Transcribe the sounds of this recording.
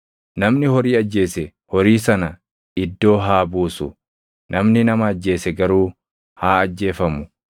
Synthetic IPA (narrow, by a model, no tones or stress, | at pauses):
nɐmnɪhɔɾiːɐd͡ʒːe̞ːsɛ | hɔɾiːsɐnɐ | ɪd̪ːo̞ːɦaːbuːsʊ̰ | nʔɐmnɪnɐmɐːd͡ʒːe̞ːsɛɡɐɾuː | haːɐd͡ʒːe̞ːfɐmʊ